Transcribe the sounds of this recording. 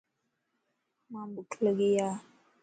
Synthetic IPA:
mambukʰləɡija

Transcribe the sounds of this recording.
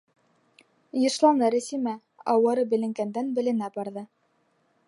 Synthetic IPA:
jɤ̆ʃlˠɑnɤɾɘ̆simæ | ɑwɤ̆ɾɤbɘ̆lɘ̆ŋɡænd̪ænbɘ̆lɘ̆næbɑɾðɤ

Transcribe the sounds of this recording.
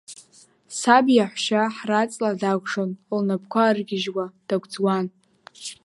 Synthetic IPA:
sabjaħʷʃaħrat͡sʼladaɡʷʂonlnap̚ʰkʷʰarɡʲɪʒwad̥aɡʷd͡zwan

